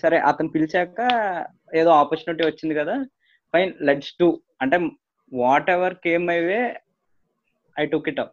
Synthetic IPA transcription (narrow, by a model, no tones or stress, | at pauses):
sɐɾeːʔɐt̪ɐnupilit͡ʃɛːkɐ | eːd̪oːaːpɐɾt͡ʃunɐʈ̬iʋɐt͡ʃːind̪ikɐd̪aː | pɐjnleʈsʈuː | ɐɳʈeː | ʋaːʈeʋɐɾke̞ːmɐjʋe | ɐjʈukiʈɐp̚